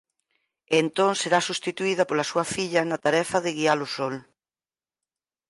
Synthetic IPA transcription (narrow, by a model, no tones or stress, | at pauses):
ent̪oŋseɾasust̪it̪uiðɐpolɐsuɐfiʎɐnɐt̪aɾɛfɐðɪɣialʊsɔl